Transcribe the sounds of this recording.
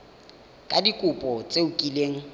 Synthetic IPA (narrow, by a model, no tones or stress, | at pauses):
kʼadikʼʊpʼɔt͡sʼeukʼileːŋ̩